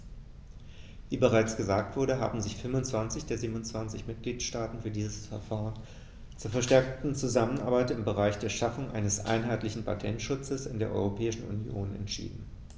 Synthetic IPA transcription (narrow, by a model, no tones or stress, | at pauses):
viːbəʁaɪt͡sɡ̥əzaːk̚tv̥ʊɐɾəɦa̰ːbm̩zɪçfʏmʊnt͡sv̥ant͡sɪçd̥eːɐziːbnʊnt͡sv̥ant͡sɪçmɪt̚ɡ̥liːtʃtaːtn̩fyːɐdiːzəsfɛɐfaːʁən | t͡suːɐfɛɐʃtɛɐk̚tn̩t͡suzamənʔa̰ɐbaɪtɪmbəʁ̞aɪçd̥eːɐʃafʊŋʔa̰ɪnəsʔa̰ɪnɦaɪtlɪçn̩pʰatʰɛntʃʊt͡səsɪndeːɐʔɔ̰ʏʁopʰɛːɪʃn̩ṵnjo̰ːnɛ̰ntʃḭːdn̩